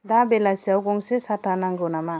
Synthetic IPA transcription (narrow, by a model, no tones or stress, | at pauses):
d̪abelasiawɡɔŋsesatanaŋɡonama